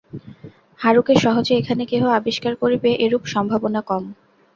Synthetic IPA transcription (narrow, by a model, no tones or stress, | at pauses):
haɾukeʃɔɦod͡ʑeekʰanekeɦoabiʃkaɾkoɾibeʔeɾupʃɔmbʱabonakɔm